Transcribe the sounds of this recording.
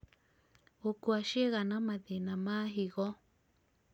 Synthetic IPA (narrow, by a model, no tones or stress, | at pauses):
okuaʃieɣanãmãðinãmãɦiɣɔ